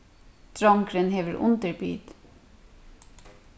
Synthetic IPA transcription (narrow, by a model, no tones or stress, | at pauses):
t̪ɹɑŋkɾənheːʋəɹʔʊ̰nt̪əɹby̰ːd̪